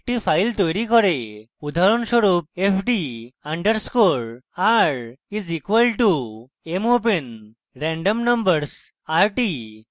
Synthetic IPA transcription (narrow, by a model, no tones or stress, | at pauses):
ʈifajlt̪ɔjɾikɔɾe | ud̪ʱaɾunsʋəɾuːp̚efɖiãɳɖəɾskoɾaɾizikʋəlʈu | emopen | ɾɛ̃ɳɖəmnə̃mbəɾs | aɾʈi